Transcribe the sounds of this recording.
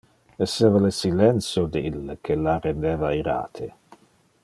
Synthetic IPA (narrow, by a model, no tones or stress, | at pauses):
ɛseːvalesilɛnt̪sjod̪eilːekʰelarend̪eːvaiɾa̰ːt̪ʰe